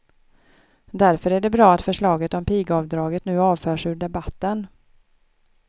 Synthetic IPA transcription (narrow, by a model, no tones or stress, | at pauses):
d̪æɾfœɾæɖɛbɾɑːat̪fœʂɭɑːɡət̪ɔmpiːɡɑːvd̪ɾɑːɡət̪nʉ̟ːɑːvfœːʂʉ̟ːɖɛbat̪ːən